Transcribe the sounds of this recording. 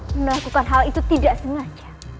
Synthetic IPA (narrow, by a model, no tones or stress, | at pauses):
məlakukanɦalit̪ut̪idaʔsəŋad͡ʒḁ